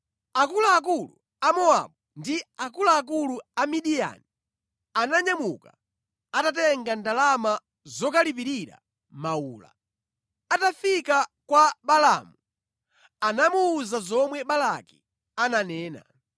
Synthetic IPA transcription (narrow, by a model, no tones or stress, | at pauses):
akulaːk̬ulṵ | amɔa̰ɓundiakulaːk̬uluamiɗija̰ni | anaɲamuka | atatɛŋɡandalama | zɔkalip̬iɾiɾa̰ | mauːla̰ | atafikakwaɓala̰mu | anamuːzazɔmwɛɓalaki̥ | ananɛːna̰